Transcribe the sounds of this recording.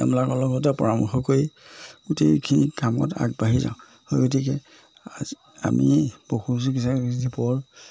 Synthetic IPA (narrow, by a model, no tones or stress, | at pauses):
a̰mlakɔlɔɡɔt̬ɛpɔɹamɔxɔkoiutekʰinikamɔ̰ta̰ɡbaɦiza̰ʊ̃ | hojɡotikɛ | a̰mipoxus̬ikisɛzipɔɹ